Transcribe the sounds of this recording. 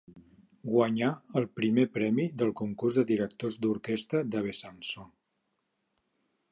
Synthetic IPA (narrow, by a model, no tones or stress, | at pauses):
ɡwəɲaəlˠpɾimepɾɛmiðəlˠkuŋkurzðəðiɾək̚t̪ozd̪uɾkɛst̪ɾəd̪əβ̞esanso